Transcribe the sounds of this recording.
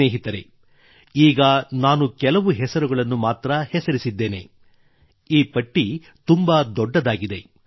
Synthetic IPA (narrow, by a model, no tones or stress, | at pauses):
eːɦit̪ɐɾḛ | iːɡɐnaːnukɛlɐʋuɦɛsɐɾuɡɐɭɐnːumaːt̪ɾɐhɛsɐɾisid̪ːe̞ːne̞̰ | iːpɐʈːi | t̪umbɐd̪ɔɖːɐd̪aːɡid̪e̞